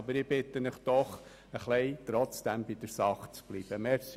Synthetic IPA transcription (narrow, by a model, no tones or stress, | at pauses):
bəɾɪb̥ɪt̪ːənɪχd̥ɔχ | əχlɛɪt̪ɾɔt͡sd̥æmbid̥əɾsɑχt͡sb̥liːb̥əmɛs